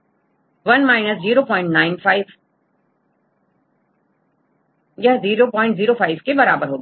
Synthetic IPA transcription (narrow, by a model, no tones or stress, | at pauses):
ʋɐnmaːɪnəsziːɾopɔ̃ːɪ̃ɳʈnaːɪnfaːɪʋ | jaziːɾopɔ̃ːɪ̃ɳʈziːɾofaːɪʋkebɐɾaːbəɾɦoː